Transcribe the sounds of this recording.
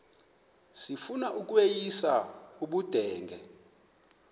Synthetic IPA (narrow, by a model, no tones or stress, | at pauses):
sifunaʔuk̬ʼwejisauɓud̥ʱɛːŋɡʱɛ̰